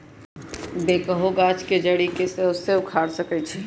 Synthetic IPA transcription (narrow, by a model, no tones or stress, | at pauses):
bekəɦoɡat͡ʃked͡ʒəɽikeseʊsːeʊkʰaːɽsəkɛt͡ʃʰɛ